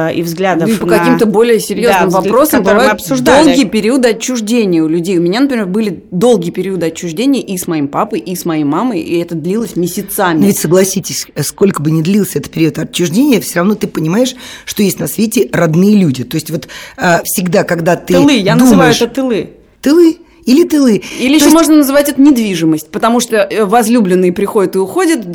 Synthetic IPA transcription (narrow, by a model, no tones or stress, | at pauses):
ḭvzɡlʲad̪əpəkɐkkʲimt̪əbo̞lʲɪjəsʲɪɾʲjonɨmvɐpɾo̞səmbɨvvajʊɐtpsʊʐd̪olˠɡʲɪjəpʲɪɾʲiuəd̪ɨɐt͡ɕːʊʐdʲenʲɪjəʊlʲʉdʲejʊmʲɪnʲanəpɾʲɪmʲerbɨlʲɪd̪o̞lˠɡʲɪjəpʲɪɾʲiəd̪ɨɐt͡ɕːʊʐdʲenʲɪjəʔismɐjimpapəjʔismɐjejmaməjḭɛt̪əd̪lʲilˠəsʲmʲɪsʲɪt̪samʲnovʲɪtʲsəɡlˠɐsʲitʲɪsʲsko̞lʲkəbɨnʲɪd̪lʲilˠəsʲɛt̪ə̥pʲɪɾʲiuət̪ɐt͡ɕːʊʐdʲenʲɪjəfsʲoɾɐvno̞t̪ɨpənʲɪmajɪʂʂt̪ojesʲtʲnɐsvʲetʲɪrɐd̪nɨjəlʲudʲɪt̪o̞ɪsʲtʲvo̞t̪əfsʲɪɡd̪akɐɡd̪at̪ɨɨlˠɨjanzuɨmvajɪʊɛʂt̪ət̪ɨlˠɨ | t̪ɨlˠɨ | ilʲɪt̪ɨlˠɨilʲɪiʃomoʐnənəzɨvatʲɛt̪ənʲɪd̪vʲiʐɨməsʲtʲpət̪ɐmuʂt̪ovɐzlʲublʲɪnːɨjəpɾʲɪxo̞dʲɪt̪ɨʊxodʲɪt̪